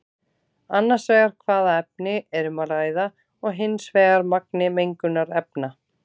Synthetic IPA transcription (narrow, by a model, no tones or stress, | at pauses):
anːḁsvɛːɣaɾ̥kʰvaːðaɛp̚nɪʔɛɾʏmaɾaːjða | ɔɣɦɪnsvɛːɣaɾmak̚nɪmejŋkʏnːaɾɛpna